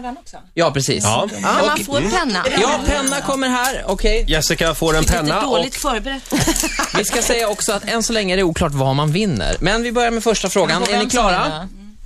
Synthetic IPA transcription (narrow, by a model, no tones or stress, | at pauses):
dɛɔkɔjɑːpʰɾɛsḭːsɑ̰ːɔfpʰɛnːajɑːpʰɛnːakʰɔmːəɾɦæːɾɔkʰɛjjɛsɪkafoːɾɛnpʰɛnːaoːlɪt̪fœːɾbɛɾɛt̪ːvɪskasɛjːaɔksɔat̪ɛnsɔlɛŋːəɾɛuːkʰlɑːʈvamanvɪnːə̰ɾmɛnvɪbœɾjaɾmɛfœʂʈafɾoːɡanɛnɪkʰlɑːɾa